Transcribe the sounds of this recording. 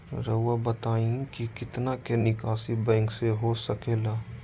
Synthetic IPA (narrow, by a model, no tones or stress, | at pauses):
ɾəʊwabət̪aːĩkikɪt̪nakenɪkaːsibɛ̃ːŋkseɦosɐkeːlaː